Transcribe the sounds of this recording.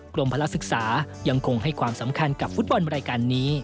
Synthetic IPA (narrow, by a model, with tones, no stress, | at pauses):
kɾo˧mpʰa˧la˦˥sɯ˨˩k̚saː˩˦ja˧ŋkʰo˧ŋha˥˩jkʰwaː˧msa˩˦mkʰa˧nka˨˩p̚fu˦˥t̪̚bɔ˧nɾaː˧jkaː˧nːiː˦˥